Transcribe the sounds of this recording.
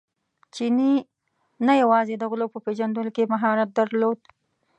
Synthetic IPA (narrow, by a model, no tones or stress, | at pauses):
t͡ʃini | najawɑzed̪əɣʊlopəpeʒand̪əlokemaɦɑɾat̪̚d̪aɾlod̪